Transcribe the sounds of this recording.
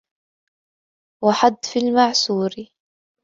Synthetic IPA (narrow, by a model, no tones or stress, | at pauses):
waħad̪ːfilmaʕsuːɾi